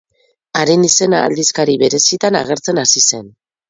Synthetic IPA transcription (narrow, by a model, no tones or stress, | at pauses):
aɾinise̞na̰ːld̪iskaɾiβe̞ɾe̞sit̪ana̰ɣ̞e̞ɾt͡se̞nasise̞n